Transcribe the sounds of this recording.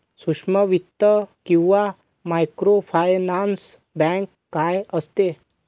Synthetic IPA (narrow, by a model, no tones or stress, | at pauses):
sukʂməʋit̪ːəkĩwʋa | maːjkɾopʰajnaːns | bɛ̃ːŋkːaːjəst̪e